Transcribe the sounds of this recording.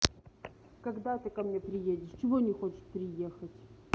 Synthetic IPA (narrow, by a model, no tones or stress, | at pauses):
kɐɡd̪at̪əkɐmnʲepɾʲɪjedʲɪʂt͡ɕɪvonʲɪxot͡ɕɪ̥t̪pɾʲɪjexətʲ